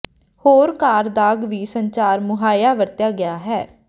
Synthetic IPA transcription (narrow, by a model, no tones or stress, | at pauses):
hoːɾkaːɾd̪aːɡʋiːsəɲt͡ʃaːɾmʊɦaːjaːʋəɾt̪jaːɡɪjaːɦɛː